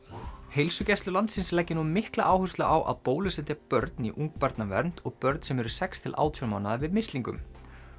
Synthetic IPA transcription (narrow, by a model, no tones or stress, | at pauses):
hejlsʏcɛst̪ʏlant̪sɪnslɛcːɪnumɪhkla̰ʔaːwhʏst̪laʔawʔa̰ðpoːwlʏsɪnt̪ɪpœɾt̪niʔuŋk̚paɾt̪navɛ̰ɾn̥t̪ɔɣpœɾt̪nsɛmɛɾʏ̥sɛkst̪ʰɪlʔa̰ːwt̪ʰjɔmaːwnaðavɪðmɪst̪liŋkʏ̰m